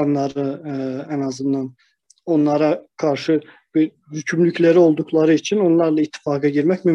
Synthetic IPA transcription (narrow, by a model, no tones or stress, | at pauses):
nːˠɑɾɯænɑzɯnd̪ɑn | o̞nlˠɑɾɑɡ̥ɑɾʃɯ | bi | hycʰymlycʰlæɾio̞lˠd̪uklˠɑɾɯit͡ʃʰino̞nlˠɑɾlˠɑit̪ʰːi̥fɑːɡɑɟiɾmæcmym